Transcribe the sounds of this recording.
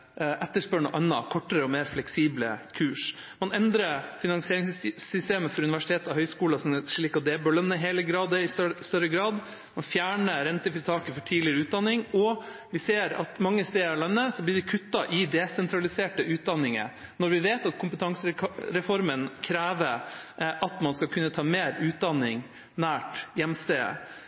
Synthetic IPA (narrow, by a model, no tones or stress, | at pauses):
ʔɛt̪ːəʂpœɳɔʔɑnːɑ̰kʰɔʈːəɾəɔmeːɾflɛksiːblə̰kʰʉːʂ | mɑnɛnd̪ɾəfɪnɑŋsɪeːɾɪŋsːʏst̪eːməfɔɾʉnɪʋæʂɪ̥t̪ʰeːt̪ɑhœʏskuːlɑsɔnɛʂɭiːkɑd̪ɛːbœlœnːəɪɦeːləɡɾɑːd̪əɪsst̪œɾəɡɾɑːd̪ | mɑnfjæːɳəɾɛnt̪əfɾɪt̪ʰɑːkəfɔʈʰiːd̪lɪəɾəʉːt̪̚d̪ɑnːɪŋɔ | ʋɪseːɾɑ̰t̪mɑŋːəst̪eːɭœnːəsɔblɪːɖɪkʰʉt̪ːɑʔɪd̪ɛsɛnt̪ʰɾɑlɪseːʈəʉːt̪̚d̪ɑnːɪŋə̰ | nɔɾʋɪʋeːt̪ɑt̪kʰʊmpət̪ʰɑŋsəɾɛfɔɾmənkʰɾæːʋəʔɑt̪mɑnskɑkʰʉnːət̪ʰɑːmeːɾʉːt̪̚d̪ɑnːɪŋ | næːʈjɛmst̪eːə̰